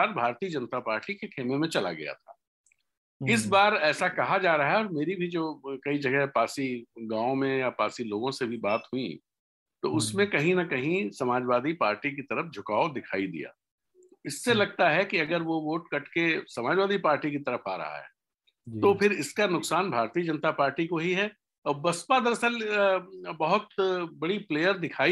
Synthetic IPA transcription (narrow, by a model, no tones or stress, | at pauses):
aːɾbʱaːɾt̪iːəd͡ʒɐnət̪apaːɾʈikekʰeːmemẽt͡ʃɐla̰ɡɐ̰ja̰t̪ʰa̰ː | ɪs̬baːɾɛːsakɐɦad͡ʒaːɾɐɦaɛɔːɾmeːɾibʱid͡ʒoːkɐid͡ʒɐɡɛɦpaːsiɡãːõmẽjapaːsiloːɡõsebʱibaːt̪ɦui | t̪oʊsmẽkɐɦĩnɐkɐɦĩsɐmaːd͡ʒʋaːd̪ipaːɾʈik̬it̪ɐɾəfd͡ʒʱʊkaːod̪ɪkʰaːid̪ḭja̰ː | ɪsːelɐɡ̚t̪aɦɛkiɐɡəɾʋoʋoːʈkɐʈkesɐmaːd͡ʒwaːd̪ipaːɾʈikit̪ɐɾəfʰa̰ːɾɐ̰ɦa̰ɦɛ̰ː | t̪opʰɪɾɪskanʊksaːnbʱaːɾt̪iːəd͡ʒɐ̃nət̪apaːɾʈikoɦiɦɛ | ɔːbɐspad̪əɾɐsəl | bɐɦʊt̪bɐɽipleːjəɾd̪ɪkʰaːi